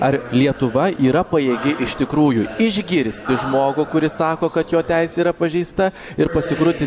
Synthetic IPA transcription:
ɐɾlʲiɛt̪ʊʋɐʔiːɾɐpɐjeːɡʲɪʔɪʃt̪ʲɪkɾuːjʊɪʒʲɡʲɪɾʲsʲt̪ʲɪʒmoːɡʊkʊɾʲɪsɑːkoːkɐt̪joːt̪ʲɛɪsʲɛiːɾɐpɐʒʲɛɪst̪ɐ | ɪɾpɐsʲɪkɾʊt̪ʲɪ

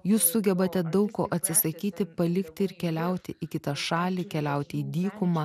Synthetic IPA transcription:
juːsːʊɡʲɛbɐt̪ʲɛd̪ɐʊkkoːʔɐt̪ʲsʲɪsɐkʲiːt̪ʲɪpɐlʲɪkt̪ʲɪɪɾkʲɛlʲɛʊt̪ʲɪʔɪkʲɪt̪ɑʃɑːlʲiːkʲɛlʲɛʊt̪ʲɪiːd̪ʲiːkʊmɑ

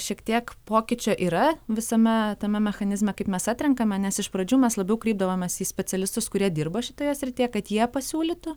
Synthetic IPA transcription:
ʃʲiɛkt̪ʲiɛkpoːkʲɪt͡ʃʲoːʔiːɾɐʋʲɪsɐmʲɛt̪ɐmʲɛmʲɛxɐnʲɪzmʲɛkɐɪpmʲɛsɑt̪ʲɾʲɛŋkɐmʲɛnʲɛsɪʃpɾɐd͡ʒʲuːmʲɛslˠɐbʲɛʊkɾʲiːb̚d̪ɐʋoːmʲeːsiːsʲpʲɛtt͡s̪ʲɛlʲɪst̪ʊskʊɾʲiɛd̪ʲɪrbɐʃʲɪt̪oːjoːsʲɾʲɪt̪ʲeːjɛkɐt̪jiɛpɐsʲuːlʲɪt̪ʊ

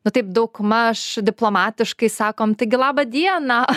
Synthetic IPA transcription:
nʊt̪ɐɪp̚d̪ɐʊkmɐʃd̪ʲɪplˠoːmɑːt̪ʲɪʃkɐɪsɑːkoːmt̪ɐɪɡʲɪlˠɑːbɐd̪ʲiɛnɐ

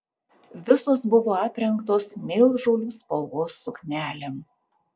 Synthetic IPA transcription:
ʋʲɪsoːsbʊʋoːɑːpʲɾʲɛŋˑkt̪oːsmʲeːlˠʒoːlʲuːspɔlˠɡoːsːʊknʲæːlʲem

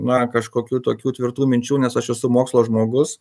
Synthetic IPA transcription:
nɐkɐʃkoːkʲuːt̪oːkʲuːt̪ʲʋʲɪrɾt̪uːmʲɪnʲt͡ʃʲuːnʲɛsɐʃɛsʊmoːkslˠoːʒmoːɡʊs

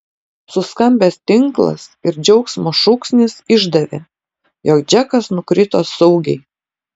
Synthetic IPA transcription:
sʊskɐmʲbʲeːst̪ʲɪŋklˠɐ̰sɪɾd͡ʒʲɛʊksmoːʃuksʲnʲɪsɪʒd̪ɐʋʲḛː | joːkd͡ʒʲɛkɐsnʊkɾʲɪt̪oːssɐʊɡʲɛ̰ɪ

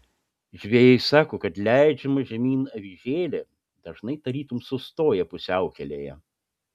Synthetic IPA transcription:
ʒʲʋʲeːjɛɪsɑːkoːkɐt̪lʲæɪd͡ʒʲɛmɐʒʲɛmʲiːnɐʋʲɪʒʲeːlʲɛ | d̪̥ɐʒnɐɪt̪ɐɾʲiːt̪ʊmsʊst̪oːjɛpʊsʲɛʊkʲɛlʲeːjɛ

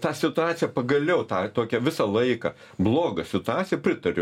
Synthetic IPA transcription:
t̪ɑːsʲɪt̪ʊɑːt̪sʲɪjɛpɐɡɐlʲɛʊt̪ɑːt̪oːkʲɛʋʲɪsɐlˠɐɪkɐ̰ | blˠoːɡɐsʲɪt̪ʊɑːtsʲɪjɛpʲɾʲɪt̪ɐɾʲʊ

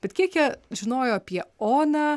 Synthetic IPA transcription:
b̥ʲɛt̪kʲiɛkjiɛʒʲɪnoːjoːɐpʲiɛoːnɐː

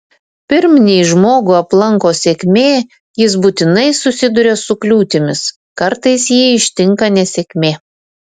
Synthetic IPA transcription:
pʲɪɾʲmʲnʲɛɪʒmoːɡʊɐplˠɐŋkoːsʲeːkʲmʲeː | jɪs̬buːt̪ʲɪnɐɪsʊsʲɪd̪ʊɾʲesʊklʲuːt̪ʲɪmʲɪs | kɐɾt̪ɐɪsjiːɪʃʲt̪ʲɪŋkɐnʲɛsʲɛkʲmʲeː

